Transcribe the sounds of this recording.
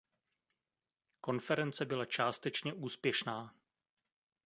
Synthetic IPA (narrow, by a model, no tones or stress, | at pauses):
ko̞nfɛɾɛnt͡sɛbɪlat͡ʃaːst̪ɛt͡ʃɲɛʔuːspjɛʃnaː